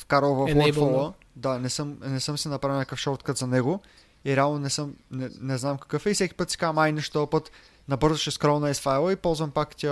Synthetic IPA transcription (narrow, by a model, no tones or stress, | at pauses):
fkaɾolˠvɐffɔlˠə | d̪anɛsɤmnɛsɤmsɛnɐpɾavilˠnʲɛkəfʃɔɾt̪kət̪zɐnɛɡo | iɾɛalˠnonɛsɤmnɛnɛznamkɐ̥kɤfɛifsɛkʲi̥pɤt̪sɛ̥kamajnɛʃt̪ɔpɤt̪ | nɐbɤɾzəʃɛskɾɔmnɐɛsfajlˠəipɔlˠzvɐmpakt̪ʲa